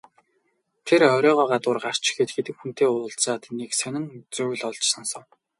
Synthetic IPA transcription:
t̪ʰerœɾʲɔːʁɔːɢat̪ʊːrɢar̥t͡ɕɡeːt̪ɡet̪ɘ̆kxun̥t̪eːʊːɮt͡saːt̪neksœnʲɪ̆ŋt͡sɵwɘ̆ɮɔɮt͡ɕsɔnsɞ̆ŋ

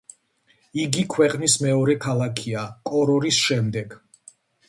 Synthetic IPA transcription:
iɡikʰwɛqʼnismɛɔɾɛkʰalˠakʰiakʼɔɾɔɾisʃɛmd̪ɛɡ̥

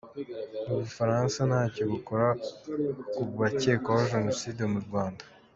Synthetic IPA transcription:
uβufaɾaːnsanhaːcoβukoɾa | kuβace̞ːkawaʒe̞no̞siːdemuɾɡwaːndḁ

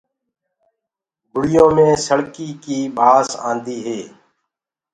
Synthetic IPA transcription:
ɡʱʊɽɪjõːmẽːsəɽkiːkiːbʱaːsã̰ːnd̪iːɦeː

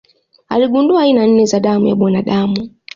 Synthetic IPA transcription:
a̰liɡunduainan̩nɛzaɗamuja̰ɓɔnaɗaːmu

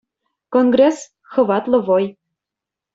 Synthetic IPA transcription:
konɡres | xɤ̆vɑt̪lɤ̆voj

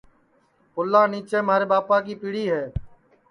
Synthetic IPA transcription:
kʊlːãːniːt͡ʃeːmaːɾeːɓaːpaːkiːpiːɽiːɦɛː

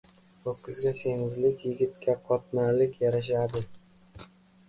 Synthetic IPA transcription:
okʲʰːɪzɡʲasʰe̞ŋɪzlɪkʲjɪɡʲɪt̪̚kʲaqʰɒt̪naɾlɪkʲjaɾaʃ̬ad̪ɪ

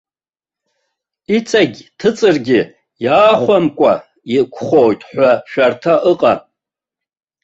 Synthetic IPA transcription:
it͡sʰʼaɡʲtʰɨt͡sʼɨrɡʲɪ | jaːχʷamkʷʼa̰ | ikʷʰχojtʼħʷᶣaʃᶣartʰaʔɨqʼa

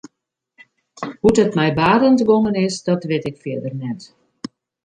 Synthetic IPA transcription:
hutətmɛjbaːdəndʋoŋənɪsdɔtʋɪtɪkfɪədərnɛt

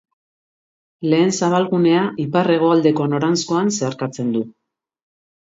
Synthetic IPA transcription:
le̞ːnsaβ̞alɣune̞aʔipare̞ɣ̞o̞ald̪e̞ko̞no̞ɾansko̞anse̞aɾkat͡se̞nd̪u

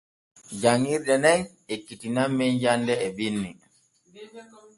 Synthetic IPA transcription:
d͡ʒaŋːiɾdɛnɛŋ | ekːitinamːinjandɛːbinːi

